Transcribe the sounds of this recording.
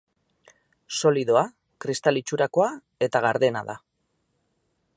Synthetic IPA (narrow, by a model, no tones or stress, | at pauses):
so̞liðo̞a | kɾist̪alit͡ʃuɾako̞a | e̞t̪aɣaɾðe̞naða̰